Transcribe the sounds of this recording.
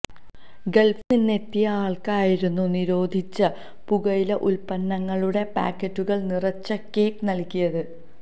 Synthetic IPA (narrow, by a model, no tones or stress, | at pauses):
ɡe̞lfninːe̞t̪ːijɐaːɭkaːjiɾunːuniɾo̞ːd̪ʱit͡ɕːɐ | puɣɐjilɐʔulpɐnːɐŋːɐɭuɽe̞pa̰ːkːɐtːuɣɐɭnirɐt͡ɕːɐke̞ːknɐlkʲːijɐðɨ